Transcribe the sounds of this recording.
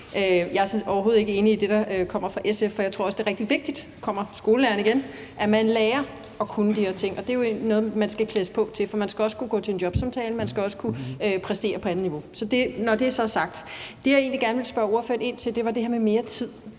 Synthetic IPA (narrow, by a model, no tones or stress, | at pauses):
øjɑ̈ɪæɐsnsɒʊɐɦo̝ːð̩ˠe̝ɡ̥əe̝ːniːd̥e̝ɾ̥ɑ̈kʰɒ̽m̰ɐfʁɑ̈ʔesefɒjɑ̈t͡sʰo̝ɐ̰̽sd̥e̝ːɐʁɛɡ̥̚d̥iʋe̝ɡ̥̚d̥id̥kʰɒ̽m̰ɐsɡ̥o̝ːləlæːɐnəiɡ̥en | ʔæmænlɛːɐ | ɒ̽kʰunəd̥iheɐt͡sʰe̝ŋ̰ɒ̽d̥e̝jo̝einɔ̽ð̩mænsɡ̥ækʰlesə̥pʰɒ̽t͡sʰe̝fɒ̽mænsɡ̥æɒ̽sə̥kʰuɡ̥ɔ̰ːt͡sʰe̝e̝ndjɒ̽b̥sɑ̈mt͡sʰɛːləmænsɡ̥æɒ̽sə̥kʰuøpʰʁɛsd̥e̝̰ːɐpʰɒ̽ænð̩ˠniʋo̝sɒ̽d̥e̝nɒd̥e̝æɐsɒ̽sɑ̈ɡ̥̚d̥d̥e̝jaɐe̝ːnliɡæɐnəʋe̝lsb̥ɶɐo̝ɐføɐne̝n̰t͡sʰe̝ld̥e̝ʋɑ̈d̥e̝heɐmeme̝ːɐt͡sʰið̰ˠ